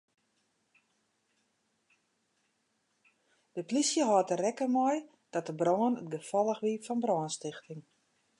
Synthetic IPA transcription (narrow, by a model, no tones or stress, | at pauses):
d̥əplisjəɦɔːtərɛkəmɔj | d̥ɔt̚əbrɔːənətɡəfɔlˠəxʋifɔnbrɔːnstɪxtɪŋ